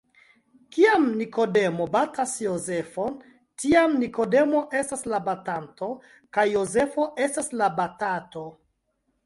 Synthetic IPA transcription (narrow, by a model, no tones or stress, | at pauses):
kiamniko̞de̞mobatasjoze̞fon | tiamniko̞de̞mo̞ʔe̞staslabatanto̞ | kajːoze̞fo̞ʔe̞staslabatato̞